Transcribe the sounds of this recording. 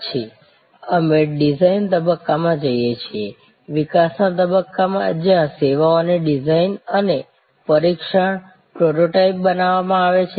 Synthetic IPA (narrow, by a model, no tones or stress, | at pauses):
t͡ʃʰi | əmeɖizaint̪əbəkːamãd͡ʒəjet͡ʃʰie | ʋikasnat̪əbəkːamã̰d͡ʒjãseʋaoneɖizainəne | pəɾikʃəɳ | pɾoʈoʈaip̚bənaʋamãaʋet͡ʃʰe